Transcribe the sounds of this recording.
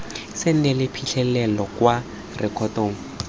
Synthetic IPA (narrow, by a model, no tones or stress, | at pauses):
sɪn̩nɛlɪpʰiɬʰɛlɛlɔkwa | rʔɪkʰɔtoːŋ̩